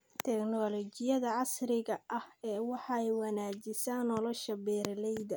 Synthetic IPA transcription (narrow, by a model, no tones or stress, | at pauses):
t̪ʰɛknɔlɔt͡ʃɪjɐðɐʕɑsrɪɣɐʔɐhɛːwɑħɑɛjwɑnaːd͡ʒɪsaːnɔlɔʃɐbɛːrlɛjd̪ɐ